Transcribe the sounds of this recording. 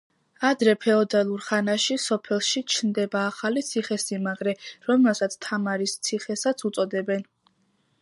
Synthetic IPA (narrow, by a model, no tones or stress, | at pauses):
ad̪ɾɛpʰɛɔd̪alˠuɾχanaʃisɔpʰɛlˠʃit͡ʃʰnd̪ɛbaːχalit̪sʰiχɛsimaɡɾɛɾɔmɛlˠsat̪sʰt̪ʰamaɾist̪sʰiχɛsat̪sʰut̪sʼɔd̪ɛbɛn